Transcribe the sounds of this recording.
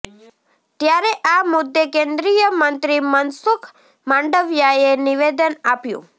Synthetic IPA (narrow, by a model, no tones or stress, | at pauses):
t̪jaɾeʔamʊd̪ːekẽnd̪ɾijəmənt̪ɾimənsʊkʰ | mãɳɖəʋjaeniʋed̪ənapjṵ̃